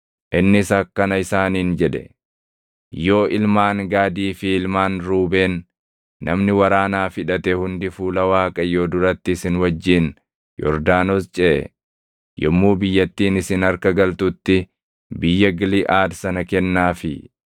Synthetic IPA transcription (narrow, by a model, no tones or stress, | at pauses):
ʔɪnːɪsɐkːɐnɐɪsaːniːnd͡ʒɛᶑɛ̥̰ | jo̞ːʔɪlmaːŋɡaːd̪iːfɪɪlmaːnɾuːbeːnː | ʔɐmnɪwɐɾaːnaːfɪᶑɐt̪ɛhʊnd̪ɪfuːlɐwaːkʼɐjo̞ːd̪ʊɾɐt̪ːɪːsɪnwɐd͡ʒːiːn | jɔ̰ɾd̪aːnoːst͡ʃʼe | jɔmːuːbɪjːɐt̪ːiːnɪsɪnɐɾkɐɡɐlt̪ut̪ːɪ | bɪjːɐɡɪlɪʔaːd̪sɐnɐkɛnːaːfɪ